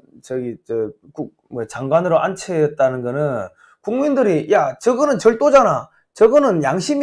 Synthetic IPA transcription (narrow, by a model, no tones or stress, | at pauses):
t͡ɕʌɡit͡ɕe | kuk̚mʌt͡ɕaŋɡwanɯɾoʔant͡ɕʰejʌt̚t͈anɯnɡʌnɯn | kuŋmindɯɾijat͡ɕʌɡɯnɯnt͡ɕʌɭt͈od͡ʑana | t͡ɕʌɡɯnɯnjaŋɕʰim